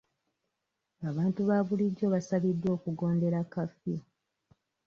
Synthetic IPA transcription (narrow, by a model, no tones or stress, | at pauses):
aβaːntuβaβuliɟo̞βasaβidːwo̞ːkuɡo̞ːnde̞ɾakafi